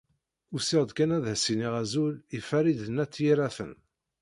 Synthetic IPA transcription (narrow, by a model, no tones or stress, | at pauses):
ʊsɪʁd̪kænæðæsiniʁæzulifæɾid̪ənæt͡sːjiɾæθə̰n